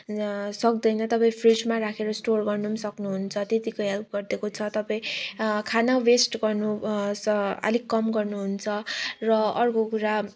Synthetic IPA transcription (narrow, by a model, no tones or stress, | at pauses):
sʌk̚d̪ʌjnʌt̪ʌpaĩpʰrid͡zmaɾakʰeɾʌsʈorɡʌrnumsʌknuɦunt͡sʰʌt̪et̪ikoɦalɡʌrd̪ekot͡sʰʌt̪ʌpaĩkʰanawesʈɡʌrnu | ʌ̰likkːʌmɡʌrnuɦunt͡sʰʌrʌʌrkokuɾa